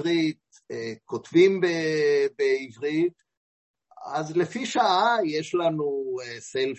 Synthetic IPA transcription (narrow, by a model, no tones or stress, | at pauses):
ʁit̚ | ekotvimbebeivʁit̪ | azle̞fiʃaʔajeʃlanuesel